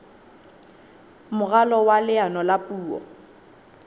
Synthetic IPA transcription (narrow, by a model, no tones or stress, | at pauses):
mʊɣalɔwalɪanɔlapʼuːɔ̰